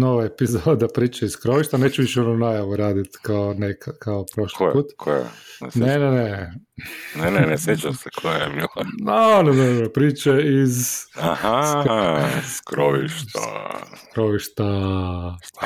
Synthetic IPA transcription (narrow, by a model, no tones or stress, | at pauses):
noʋaepizod̪apɾiːt͡ʃaisskɾoʋiʃt̪aneːt͡ʃuʋiʃɛononajaʋuɾaːd̪it̪kaonekkaopɾoʃlipuːt̪kʰojɛ̰snenene | nenenesjet͡ʃamsekʰojebianenepɾiːt͡ʃeizaha | skɾoʋḭʃt̪a̰skɾoʋiʃt̪a